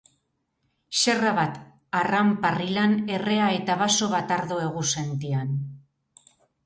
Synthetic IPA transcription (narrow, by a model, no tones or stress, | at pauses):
ʃe̞raβat̪ | aramparilane̞re̞ae̞t̪aβaso̞βat̪aɾðoe̞ɣuse̞nt̪ian